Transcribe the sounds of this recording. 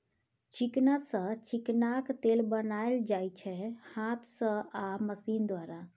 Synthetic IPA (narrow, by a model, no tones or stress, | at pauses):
t͡ʃiknasə̃t͡ʃiknakt̪elbənajld͡ʒajt͡ʃʰɛhat̪ʰsə̃aməsind̪waɾa